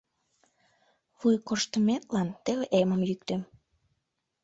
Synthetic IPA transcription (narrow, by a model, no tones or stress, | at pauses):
βujkoʃt̪əmet̪lɑnt̪eβeʔeməmjyk̚t̪em